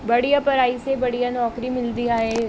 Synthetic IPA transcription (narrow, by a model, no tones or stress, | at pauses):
bɐɽijapɐɾaːisebɐɽijanɔːkɾimɪld̪ijaɦɛː